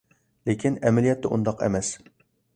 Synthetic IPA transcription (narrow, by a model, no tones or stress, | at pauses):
lekʲʰinɛmɛlijɛt̪ʰːɛʔṵnd̪ɑqɛ̰mɛs